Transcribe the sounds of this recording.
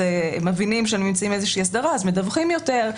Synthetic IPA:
emevinimʃeanunimt͡saimezeʃiiːasdaʁaːzmedavχimjo̞te̞ʁ

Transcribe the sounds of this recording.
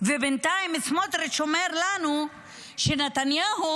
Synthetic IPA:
vebent̪aimismot̪ɾeʃomeɾlanu | ʃenet̪anjaɦu

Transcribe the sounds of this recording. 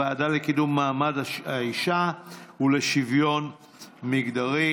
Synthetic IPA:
aːdalekidumːaːmadaaiʃaule̞ʃivjo̞n | miɡdaʁi

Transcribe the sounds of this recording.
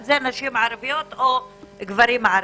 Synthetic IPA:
zenaʃimʕaɾvijot̪oɡvaɾimʕaɾ

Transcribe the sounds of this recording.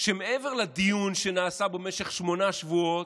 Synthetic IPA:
ʃemeʔeveʁlad̪ijunʃenaːsabemeʃe̞χʃmo̞naʃvuot̪

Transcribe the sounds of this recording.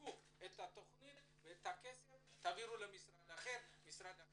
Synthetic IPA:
u | et̪at̪oχunin | vet̪akesewt̪aviɾulamisrad̪aχeɾmisɾana

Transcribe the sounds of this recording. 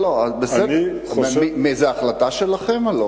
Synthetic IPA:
loabeseni | imezeaːχlat̪aʃelaχemolo

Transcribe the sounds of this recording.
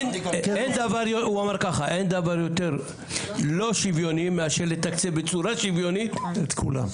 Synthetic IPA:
end̪avaʁjouamaʁkaχaʔend̪avaʁjot̪eʁ | lo̞ʃivjo̞nimeaʃeʁlet̪akt͡sebet͡suɾaʃivjo̞nit̪et̪kʰṵla̰m

